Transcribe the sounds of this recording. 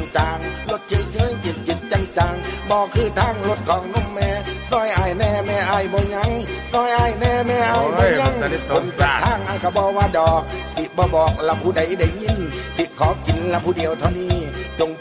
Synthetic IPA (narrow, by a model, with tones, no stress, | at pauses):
ŋt͡ɕaː˨˧ŋlo˧˦t̪̚t͡ɕʰe˧˥˨jt͡ɕʰɤː˧˥˨jt͡ɕi˨˦t̪̚t͡ɕi˨˧˦t̪̚t͡ɕa˧ŋt͡ɕaː˨ŋbɔː˧kʰɯː˧˩t̪ʰaː˧˩˨ŋlo˧˦t̪̚kʰɔː˨˦ŋno˧˥˨mːɛː˧˩sɔː˧˩jʔaː˨˧˩jnɛː˧˩mɛː˧ʔaː˧˩jbɔː˧˦ɲa˧˥ŋsɔː˧˩˨jʔaː˧˩jnɛː˧˩mɛː˧˩ʔaː˧˩jbɔː˧˨˧ɲa˧˥˨ŋkʰo˨˧˦ntaː˨˩aː˧˥˩ŋʔa˧˩ka˧˩bɔː˧waː˧˨dɔː˨˩k̚t̪ʰi˧bɔː˧˦bɔː˨˩k̚la˧pʰuː˧˩da˧˩˦jda˧˩jɲi˧˥˨n | sʰi˧kʰɔː˨˦ki˨˦nla˧pʰuː˧˩di˨˦əwt̪ʰa˧˩wniː˧˩t͡ɕo˧ŋ